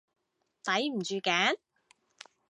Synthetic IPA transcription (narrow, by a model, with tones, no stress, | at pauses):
t̪ɐ˨˥jm̩˨˩t͡ʃyː˨˧kɛː˨˥n